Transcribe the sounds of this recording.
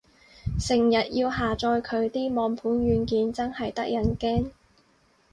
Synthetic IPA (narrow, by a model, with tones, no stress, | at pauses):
sɪ˨˩ŋjɐ˨t̚jiː˧wɦaː˨˩t͡ʃɔː˧jkʰɵ˨˧ɥt̪iː˥mɔː˨˧ŋpʰuː˨˥nɥyː˨˧nkiː˨˧nt͡sɐ˥nhɐ˨jt̪ɐ˥k̚jɐ˨˥nkɛː˥ŋ